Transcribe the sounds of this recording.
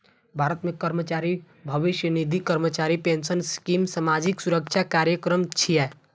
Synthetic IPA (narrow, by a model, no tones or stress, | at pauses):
bʱaːɾət̪mẽkəɾmət͡ʃaːɾi | bʱəʋɪʃjənid̪ʱikəɾmət͡ʃaːɾipeːnsənskimsəmaːd͡ʒiksuɾəkt͡ʃʰakaːɾjəkɾəmt͡ʃʰiɛ